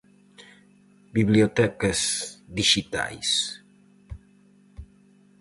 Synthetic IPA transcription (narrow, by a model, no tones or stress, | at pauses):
biβliot̪ɛkezd̪iʃit̪a̰js